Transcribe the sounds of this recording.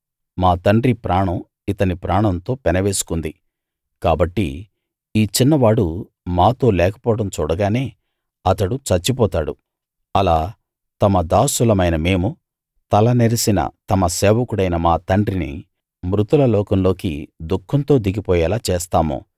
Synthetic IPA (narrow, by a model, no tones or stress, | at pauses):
maːt̪ɐɳɖɾipɾaːɳɐm | it̪ɐnipɾaːɳɐnt̪o̞ːpɛnɐʋe̞ːsu̥kund̪i | kaːbɐʈːḭ | iːt͡ʃinːɐʋaːɽu | maːt̪o̞ːlɛːkɐ̥pɔːɽɐmt͡ʃuːɽɐɡaːne̞ː | ɐt̪ɐɽut͡ʃɐt͡ʃːip̬ɔːt̪aːɽṵ | ɐlaː | t̪ɐmɐd̪aːsulɐmɐjnɐme̞ːmu | t̪ɐlɐneɾɐsinɐ̰t̪ɐmɐsɛːʋɐkuɽɐjnɐmaːt̪ɐɳɖɾinḭ | mɾut̪ulɐlɔːkɐmlo̞ːkḭd̪ukʰːɐnt̪o̞ːd̪iɡipɔːjɐːlaːt͡ʃeːst̪aːmṵ